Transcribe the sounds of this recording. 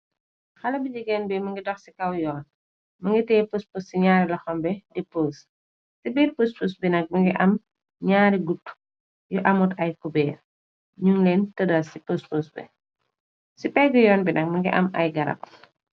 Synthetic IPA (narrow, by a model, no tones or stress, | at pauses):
xɐlɐbiɟiɡɛnbɛmɐŋɡidɔxsikɐwjɔːn | mɐŋɡitɛːpospossiɲaːɾilɐxɔmbɛdipoːs | sibiːrpuspusbinɐk̚mɐŋɡiʔɐm | ɲaːɾiɡutː | juʔɐmutɐjkubɛːr | ɲuŋleːntɐdɐsipospusbɛ̰ | sipɛɡujɔːnbinɐk̚mɐŋɡiʔɐ̰mɐ̰jɡɐɾɐ̰p̚